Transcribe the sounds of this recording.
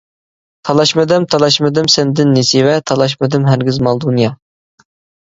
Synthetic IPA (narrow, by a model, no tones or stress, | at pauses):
t̪ʰɑlˠɑʃmɨd̪ɪmt̪ʰɑlˠɑʃmɨd̪ɪmsɛnd̪ɪnːesɪvɛt̪ʰɑlˠɑʃ̬mɨd̪ɪmɦæɾɡʲɪzmɑlˠd̪unjɑ